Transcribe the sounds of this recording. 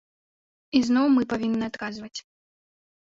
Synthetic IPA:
iznɔwmɨpavʲinːɨat̪kazvɐt͡sʲ

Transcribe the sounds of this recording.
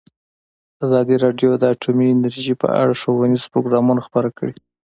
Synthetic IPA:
azɑd̪iɾɑɖjod̪əaʈʰuminaɾiʒepə̰a̰ɽaʂowaniz̥pɾoɡɾɑmunaxpaɾakəɽi

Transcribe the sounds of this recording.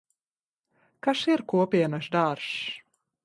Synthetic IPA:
kaʃiɾkuɔpʲiɛnaʃd̪aːɾʃ

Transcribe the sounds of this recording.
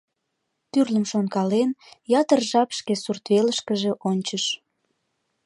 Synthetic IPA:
t̪yrləmʃonkɑlenjɑt̪ərʒɑpʃkesurt̪βeləʃkəʒe̽ʔonʲt͡ɕəʃ

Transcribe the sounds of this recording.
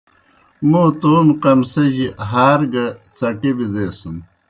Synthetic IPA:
muːt̪oːmqɐmsɐʑiɦaːɾɡɐt͡sɐʈibid̪eːsun

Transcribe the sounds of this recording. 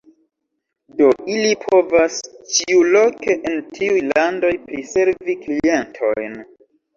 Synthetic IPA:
do̞ilipʰo̞vast͡ʃiulo̞ke̞ʔentʰiujlando̞jpɾise̞ɾviklie̞ntʰo̞̰jn

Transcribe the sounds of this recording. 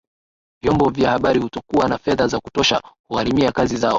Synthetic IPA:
vjɔmbɔvjahaɓaɾihutɔkuwanafɛðazaku̥tɔʃa̰huhaɾimiakazizaɔ

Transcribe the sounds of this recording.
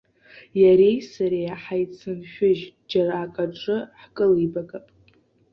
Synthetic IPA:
jaɾe̞jsaɾejaħajt͡sʰɨnʃᶣʊʒd͡ʒaraːkʼaʈ͡ʂʼɨħkʼɨlibakʼapʼ

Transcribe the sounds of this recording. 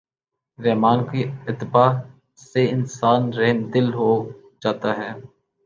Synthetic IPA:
ɾɛːmaːnkiɪt̪ːɪbaː | seɪnsaːnɾɛɦnd̪ɪlɦoː | d͡ʒaːt̪aːɦɛː

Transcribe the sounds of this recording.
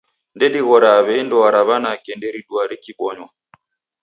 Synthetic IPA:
ndɛɗiɣɔɾaːβɛindɔwaɾaβanakɛndɛɾiɗwaɾikiɓɔɲwa

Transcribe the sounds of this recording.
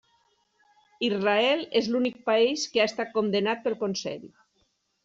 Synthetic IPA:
izraɛlezlunik̚paeskeaest̪at̪̚kond̪enat̪̚pelˠkonsɛ̰ʎ

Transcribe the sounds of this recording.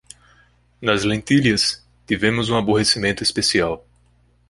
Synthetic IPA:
nɐzlẽnt̪iljɐs | t̪ivẽmʊzũaboɦesimẽnt̪ʊespesiaw

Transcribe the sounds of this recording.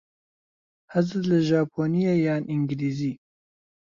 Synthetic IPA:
hɐzɨlɐʒaːpʰoːnijejaːniŋɡliːziː

